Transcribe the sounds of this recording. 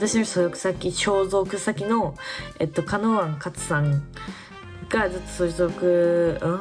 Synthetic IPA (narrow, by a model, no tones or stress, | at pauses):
at̪aɕinot͡ɕi̥sod̪okɯ̟̥sakʲiɕo̞ːzo̞kɯ̟sakʲino̞et̪ːo̞kanoβãŋkat͡sɨ̥sãŋ | ɡ̥ad͡zɨt̪ːo̥soɾisoɾokɯ̟ɯ̃